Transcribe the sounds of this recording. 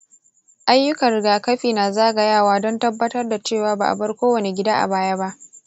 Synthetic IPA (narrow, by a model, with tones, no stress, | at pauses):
ʔa˦jːʊ˦kɐ˨rɽɪ˨ɡaː˨kɐ˦ɸiː˨naː˨zaː˦ʔɡɐ˦jaː˦˨waː˦dɔ˦ntɐ˦bːɐ˦tɐ˦rda˨t͡ʃeː˦˨waː˨ba̰ː˨ʔa̰˨bɐ˦rkʷoː˦wɐ˨ne˨ɡʲɪ˦daː˦ʔa̰˨baː˦ja˦ba˦ʔ